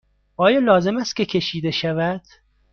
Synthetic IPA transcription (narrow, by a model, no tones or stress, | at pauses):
ʔɒːjɒːlɒːze̞mæst̪kʲcʰe̞cʲʰe̞ʃiːd̪e̞ʃævæd̪̥